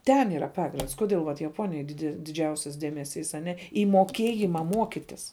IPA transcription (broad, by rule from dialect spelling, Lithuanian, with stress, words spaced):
ˈtʲɛn ɪˈrɐ ˈpɑːɡrʲɪnts kʊˈdʲɪlˠ ʋɐt jɛˈpoːnʲɪjoːj ˈdʲɪdʲɛ dʲɪˈd͡ʒʲɛʊsʲɛs ˈdʲiɛmʲɛsʲiːs ɐˈnʲɛ iː moːˈkʲeːjɪmɐ ˈmuɔkʲɪtʲɪs